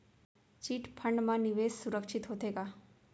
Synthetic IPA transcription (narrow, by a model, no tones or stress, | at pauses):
t͡ʃiːʈpʰəɳɖmãniʋessuɾəkʃit̪ɦot̪eɡa